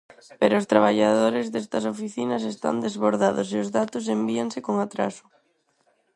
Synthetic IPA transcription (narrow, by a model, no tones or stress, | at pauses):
peɾʊːst̪ɾaβ̞aʎaðoɾezðɛst̪ɐsofiθinɐsest̪a̰nd̪ezβoɾðaðʊseʊzðat̪ʊs̬embiaŋsekoŋat̪ɾa̰sʊ̥